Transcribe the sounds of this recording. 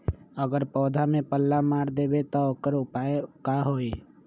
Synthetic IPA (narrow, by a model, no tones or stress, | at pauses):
əɡəɾpɔːd̪ʱamẽpəlːamaːɾd̪eːbet̪ɔokəɾʊpaekaːɦoːeː